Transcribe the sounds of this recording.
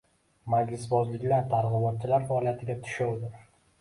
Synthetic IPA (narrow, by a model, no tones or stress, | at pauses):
mad͡ʒlɪsbɒzlɪkʲlaɾt̪ʰaɾʁɪbɒt̪̚t͡ʃʰːɪlaɾfaːlijat̪ʰɪɡʲat̪ʰʊ̥ʃawd̪ɪ